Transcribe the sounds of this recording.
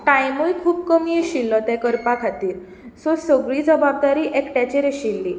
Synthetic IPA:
ʈajmujkʰuːpkəmieɕilːɔt̪ɛkəɾpakʰat̪iːɾ | sosəɡɭiːd͡zəbab̚d̪aɾiːʔekʈɛt͡ɕeɾeɕilːi

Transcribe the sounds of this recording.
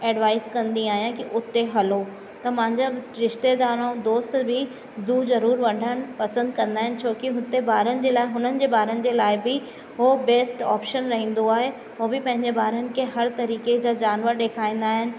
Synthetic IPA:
ɛːɖʋaːɪskɐ̃nd̪iaːɦijãkiʔʊt̪eɦɐlo | t̪ɐmɐ̃ɦɪ̃ɲd͡ʑaɾɪʃt̪ed̪aːɾõd̪oːst̪bɪ | zuːzɐɾuːɾʋɐɖʱəɽ̃ɪ̆pɐsə̃nd̪̚kɐ̃nd̪aːɦɪnɪ̆t͡ɕʰoːkiɦʊt̪ebaːɾənɪ̆d͡ʑeːlaːɪɦʊnənɪ̆d͡ʑeːbaːɾənɪ̆d͡ʑeːlaːɪbɪ | ɦobeːsʈɔ̰ːpʃənɾɐɦĩːn̆d̪oaːɦe | ɦoːbɪpɐ̃ɦɪ̃ɲd͡ʑebaːɾənɪ̆kʰeɦɐɾt̪ɐɾiːked͡ʑaːd͡ʑaːnʋəɾɗeːkʰaːĩːn̆d̪aːɦɪnɪ̆

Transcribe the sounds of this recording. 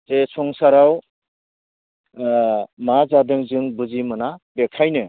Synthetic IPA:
tesʰɔŋsaɾaw | mazadɯŋzɯŋbuzimɯnabekʰajnɯ

